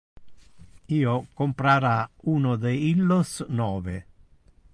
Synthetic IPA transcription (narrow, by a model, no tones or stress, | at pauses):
iːokompɾaɾauːnod̪eilːosnɔːvḛ